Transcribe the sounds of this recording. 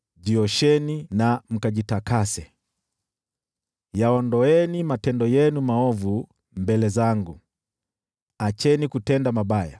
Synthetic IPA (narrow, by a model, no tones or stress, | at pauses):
ʄiɔʃɛninam̩kaʄitakasɛ | jaɔndɔɛnimatɛndɔjɛnumaɔvu | mbɛlɛzaŋɡu | at͡ʃɛnikutɛndamaɓaja̰